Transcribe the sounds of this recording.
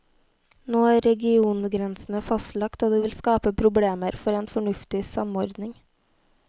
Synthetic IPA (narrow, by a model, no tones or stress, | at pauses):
noːæːɾɾɛɡɪuːnɡɾɛnsn̩əfɑst̪lɑkt̪oːd̪ʉːʋɪlskɑːpəpʰɾʊbɽeːməɾfɔɾeːnfɔɳʉft̪ɪsɑmɔɾd̪nɪŋ